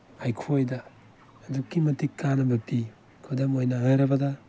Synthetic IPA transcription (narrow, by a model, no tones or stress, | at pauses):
ajkʰojdaː | dukːimɐtikːanɐbɐpi | kʰudamojnaajɾɐbɐda